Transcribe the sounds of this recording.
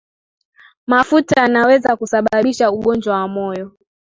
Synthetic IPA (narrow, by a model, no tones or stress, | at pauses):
mafutaanawɛzakusaɓaɓiʃauɠɔnd͡ʒwawamɔjɔ